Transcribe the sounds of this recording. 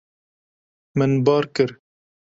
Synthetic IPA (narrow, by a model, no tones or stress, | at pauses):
mɨnbɑːɾkɨɾ